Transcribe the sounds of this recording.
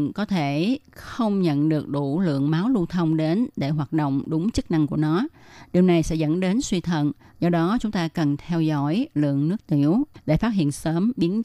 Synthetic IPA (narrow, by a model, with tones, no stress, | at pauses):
kɔ˨˦t̪ʰe˧˩xə˧wŋ͡mɲə̰˧˨nɗɨ˨˩ək̚ɗu˧˩lɨ̰˧˨əŋmaː˨˦wlu˧ənt̪ʰə˧wŋ͡mɗe˨˦nɗe˧˩ɦwaː˨˩t̚ɗo̰˧˨wŋ͡mɗʊ˨˦ŋ͡mt͡ɕɨ˦˥k̚na˧ŋku˧˩ənɔ˨˦ɗi˨˩əwna˨˩jsɛ̰˧˥zə̰˧˥nɗe˨˦nswi˧t̪ʰə˧˨n | zɔ˧ɗɔ˨˦t͡ɕʊ˨˦ŋ͡mt̪aː˧kə˨˩nt̪ʰɛ˧wzɔ̰˧˥jlɨ̰˧˨əŋnɨ˦˥ək̚t̪i˧˩əwɗḛ˧˩faː˦˥t̚ɦḭ˧˨ənsəː˨˦mɓi˨˦ən